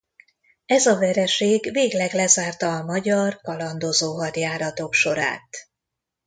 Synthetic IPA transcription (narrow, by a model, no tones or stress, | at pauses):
ɛzɒvɛɾɛʃeːɡveːɡlɛɡlɛzaːrt̪ɒːmɒɟɒrkɒlɒnd̪ozoːɦɒt̪jaːɾɒt̪o̞kʃo̞ɾa̰ːt̪